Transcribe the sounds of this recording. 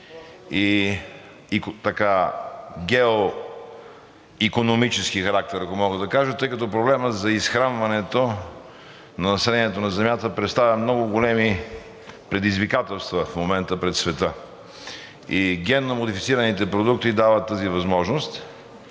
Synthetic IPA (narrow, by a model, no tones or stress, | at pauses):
i | it̪ɐka | ɡʲɛo | ikonomit͡ʃɛsk̟ixɐɾak̚t̪ɛɾɐkomɔɡəd̪ɐkaʒət̪ɤjkɐt̪ɔp̬ɾoblɛməzɐisxɾanvɐnɛt̪o | nɐnɐsɛlɛniɛt̪onɐzɛmjat̪əpɾɛt̪st̪avʲɐmnɔɡʊɡolɛmi | pɾɛd̪izvikat̪ɛlˠst̪vɐfmomɛnt̪əpɾɛt̪svɛt̪ə | iɡ̟ʲɛnːomod̪ifit̪siɾɐnit̪ɛpɾod̪uk̚t̪id̪avət̪ːəzivɐzmɔʒnost̪